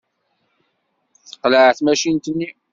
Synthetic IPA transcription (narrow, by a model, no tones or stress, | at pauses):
θə̥qːləʕθmæʃint̪ənːi